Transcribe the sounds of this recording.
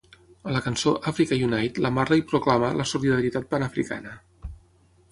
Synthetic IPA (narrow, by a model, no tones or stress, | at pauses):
ələkənsoʔafɾikəjunajt̪ləmarləipɾuklamələsuliðəɾit̪at̪̚pənəfɾḭka̰nə